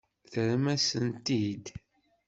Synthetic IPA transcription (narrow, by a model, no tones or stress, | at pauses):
θəɾmæsənt̪id̪